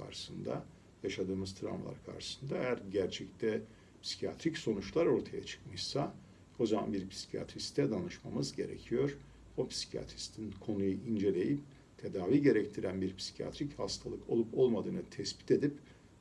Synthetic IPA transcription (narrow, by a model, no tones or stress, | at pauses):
kʰa̰ɾʃɯ̥sɯnd̪a̰ | jaʃad̪ɯːmɯzt̪ʰɾa̰mlˠa̰ɾkʰa̰ɾʃɯ̥sɯnd̪aejæɾɟæɾt͡ʃʰɛct̪ʰɛ | pʰsi̥cʰija̰t̪ʰɾicso̞nut͡ʃlˠaɾo̞ɾt̪ʰaja̰t͡ʃʰɯ̥kmɯʃsa | o̞zama̰nbiɾpʰi̥si̥cʰija̰t̪ɾist̪ʰɛd̪anɯʃmamɯzɟe̞̰ɾḛcʰijo̞ɾ | opʰsi̥cʰija̰t̪ʰɾist̪ʰinkʰo̞nujuʔind͡ʒe̞lʲe̞jip̚ | t̪ʰe̞d̪aːviɟe̞ɾɛct̪ʰiɾænbiɾpʰsi̥cʰija̰t̪ɾichast̪ʰalˠɯkʰo̞lˠupo̞lˠmad̪ɯːnɯt̪ʰɛsbi̥t̪e̞d̪ip